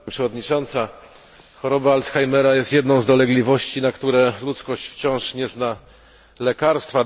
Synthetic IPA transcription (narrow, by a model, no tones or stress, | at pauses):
pʂɛvɔd̪ɲit͡ʂɔnt̪sa | xɔɾɔbaːlt̪sxajmɛɾajɛst̪jɛd̪nɔ̃w̃zd̪ɔlɛɡlʲivɔɕt͡ɕinakt̪uɾɛlut̪skɔɕt͡ɕft͡ɕɔ̃w̃ʂɲɛzna | lɛkaɾst̪fa